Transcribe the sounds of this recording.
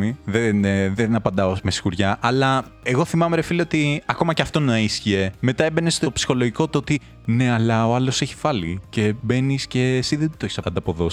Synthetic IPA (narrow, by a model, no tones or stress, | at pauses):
iðenðenɐpɐnd̪ɐosmesi̥xuɾʝɐʔɐlɐ | e̞ɣo̞θimɐmeɾefileo̞t̪iɐko̞mɐceɐft̪o̞nɐisçie̞me̞t̪ɐe̞be̞nest̪o̞psi̥xo̞loʝiko̞t̪ot̪i | ne̞ɐlɐo̞ɐlo̞se̞çi̥fɐlice̞be̞nisce̞ːsiðet̪oçi̥sɐ̰nd̪ɐpo̞ðo̞s